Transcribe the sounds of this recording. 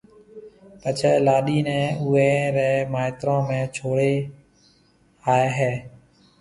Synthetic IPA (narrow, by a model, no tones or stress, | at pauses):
pət͡ʃʰeːlaːɗiːnɛ̃ːʊeːɾɛːmaːɪt̪ɾãːmẽːt͡ʃʰoːɽeː | aːeːɦeː